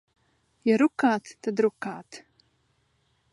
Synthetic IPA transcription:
jaɾukaːt̪ʰtad̪ɾukaːt̪ʰ

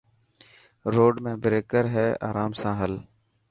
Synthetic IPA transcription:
ɾoːɖmẽːbɾeːkəɾɦɛːa̰ːɾaːmsãːɦəl

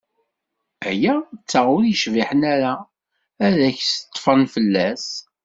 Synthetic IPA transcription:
æjæt͡sːaʁʊɾiʃviħənæɾa | æðæçsət̪ˤːfənfəlːæs

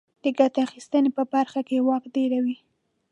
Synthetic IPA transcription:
d̪̥əɡat̪axist̪ənepəbaɾxakewɑkd̪eɾawi

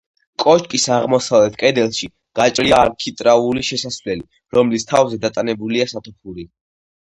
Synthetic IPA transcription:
kʼɔt͡ʃkʼisaʁmɔsavlɛt̪ʰkʼɛd̪ɛlˠʃi | ɡ̥at͡ʃʼliaːɾkʰit̪ʼɾauliʃɛsasvlɛli | ɾɔmlist̪ʰavzɛd̪at̪ʼanɛbuliasat̪ʰɔpʰuɾi

